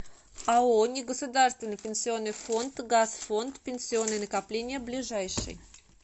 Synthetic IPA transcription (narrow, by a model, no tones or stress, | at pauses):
aonʲɪɡəsʊd̪arst̪vʲɪnːɨjpʲɪnʲsʲɪo̞nːɨjfo̞nt̪ɡasfo̞nt̪pʲɪnʲsʲɪo̞nːɨjnəkɐplʲenʲɪjəblʲɪʐajʂɨ̰j